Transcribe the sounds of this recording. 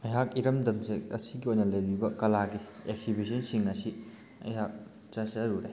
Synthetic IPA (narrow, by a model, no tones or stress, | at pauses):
ɐjɦak̚iɾɐmdɐmseɐsiɡiojnɐlɐjɾibɐkɐlaɡiek̚sibis̬ɐnsiŋɐsi | ɐ̰jɦak̚ | t͡ʃɐsɐɾuɾe